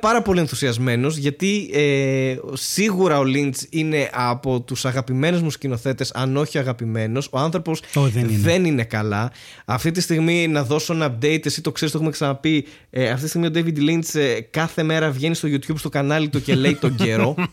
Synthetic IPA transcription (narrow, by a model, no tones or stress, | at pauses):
pɐɾɐpo̞lienθu̥siɐzme̞no̞zʝɐt̪ie | siɣuɾɐo̞lint͡sine̞ʔɐpo̞t̪usɐɣɐpime̞nuzmuscino̞θe̞t̪e̞sɐ̰no̞çioɐɣɐpime̞no̞so̞ɐnθɾo̞posoððe̞nine̞kɐlɐ | ɐft̪it̪ist̪iɣminɐðo̞soɐnɐp̚d̪e̞it̪esit̪o̞kseist̪o̞xumeksɐnɐpi | ɐft̪iist̪iɣmio̞d̪ejvid̪lint͡skɐθe̞me̞ɾɐvʝe̞nist̪oʝut̪çubst̪o̞kɐnɐlit̪uce̞le̞it̪o̞ɲɟ̪e̞ɾo̞